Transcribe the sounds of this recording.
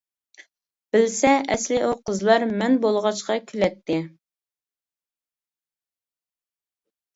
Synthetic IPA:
b̥ɪlsɛʔɛslɪʔuqəzlˠɑɾmɛnbolˠʁɑt͡ʃqɑkʲʰylɛt̪ʰːɪ

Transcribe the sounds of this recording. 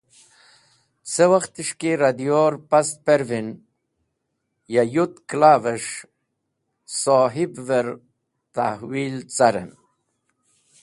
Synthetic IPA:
t͡sewaxt̪iʂkiɾad̪ijoɾpast̪̚peɾvin | jajut̪klaːvəʂ | soɦibveɾ | t̪ahwiːlt͡saɾə̰n

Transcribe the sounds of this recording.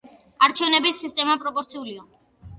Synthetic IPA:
aɾt͡ʃʰɛvnɛbisːist̪ʼɛmapʼɾɔpʼɔɾt̪sʰiulia

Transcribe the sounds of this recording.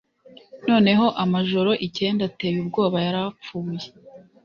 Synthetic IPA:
no̞ːne̞ɦo̞ʔamaʒo̞ɾo̞ʔice̞ːndate̞βib̚ɡo̞ːβajaɾap͡fuːje

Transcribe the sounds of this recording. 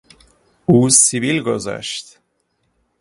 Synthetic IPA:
uːsivilɡozæ̰ʃt̪

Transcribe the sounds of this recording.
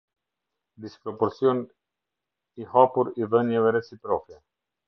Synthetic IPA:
d̪ispɾɔpɔɾt͡siɔn | ihapuɾivɛnɛvɛɾɛt͡sipɾɔkɛ

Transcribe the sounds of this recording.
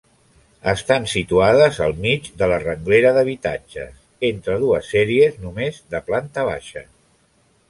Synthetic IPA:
əst̪ansit̪uaðəzəlˠmid͡ʒd̪ələrəŋɡleɾəðəβit̪a̰d͡ʒə̰s | ent̪ɾəð̞uəsːɛɾiəznumezðəplant̪əβ̞a̰ʃə̰

